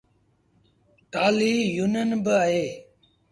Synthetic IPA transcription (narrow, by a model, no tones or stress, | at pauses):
ʈaːliːjuːnənbəaːɦeː